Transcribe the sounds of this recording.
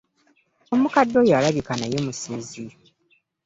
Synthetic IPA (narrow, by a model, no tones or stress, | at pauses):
omukadːo̞jalaβikanajomusezi